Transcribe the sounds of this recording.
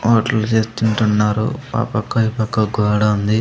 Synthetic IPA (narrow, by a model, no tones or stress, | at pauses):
oːʈɐlut͡ʃeːst̪uɳʈunːaːɾṵa̰ːpɐkːɐjipɐkːɐɡʱɔːɽɐund̪i